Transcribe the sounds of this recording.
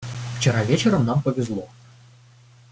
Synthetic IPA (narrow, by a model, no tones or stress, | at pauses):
ft͡ɕɪɾavʲet͡ɕɪɾəmnampəvʲɪzlˠɔ